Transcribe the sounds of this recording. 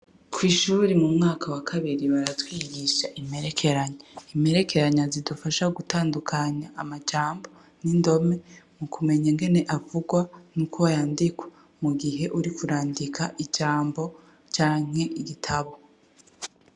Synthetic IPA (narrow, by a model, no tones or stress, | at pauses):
kʰwiːʃuɾimumŋaːkʰawakʰaβiɾiβaɾatwiːɡiʃaʔime̞ɾe̞kʰe̞ɾaɲaime̞ɾe̞kʰe̞ɾaɲazidufaʃaɡutaːndukʰaɲaʔamad͡ʒaːmbo̞ | nindo̞me̞mukʰume̞ɲaŋɡe̞ne̞ʔavuɡwanuːkʰoajaːndikwḁ | muɡiɦe̞ʔuɾikuɾaːndikʰaʔid͡ʒaːmbo̞ | t͡ʃaːŋ̥he̞ʔiɡitʰaβo̞